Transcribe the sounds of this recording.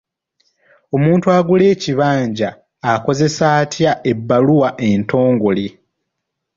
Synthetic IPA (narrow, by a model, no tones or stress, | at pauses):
o̞muːntuaɡule̞ːciβaːɲɟaː | ko̞ze̞saːtʰjaʔe̞bːaluwaʔe̞nto̞ːŋɡoli